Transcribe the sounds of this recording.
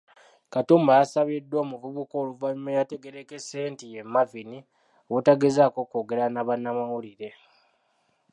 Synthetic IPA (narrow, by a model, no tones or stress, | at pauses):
katuːmbajasaβidwoːmuvuβuko̞ːluvalumejate̞ɡe̞ɾekese̞ːntije̞mːavini | owutaɡezako̞koːɡe̞ɾanaβanːamawuliɾe̞